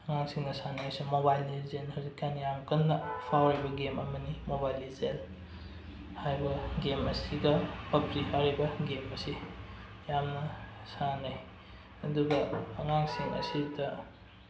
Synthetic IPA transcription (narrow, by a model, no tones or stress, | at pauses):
ɐŋaŋsiŋnɐsanajsumobajlizenhazikːanijamkɐnːɐpʰawɾabɐɡemɐmɐnimobajlizel | hajbɐɡemɐsiɡɐpɐpɾihaɾibɐɡemɐsi | jamnɐsanaj | ɐduɡɐːŋaŋsiŋʔɐ̰sidɐ